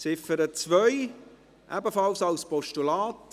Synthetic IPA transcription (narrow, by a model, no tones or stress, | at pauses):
sɪfəɾət͡svœʏ | ʔæ̰bəfɑlsɑlspɔʃtulaːt